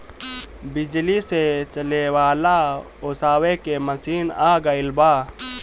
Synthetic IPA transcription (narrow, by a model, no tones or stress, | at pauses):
bɪd͡ʒliset͡ʃəlewaːla | oːsaːwekeməsiːnaːɡəɪlbaː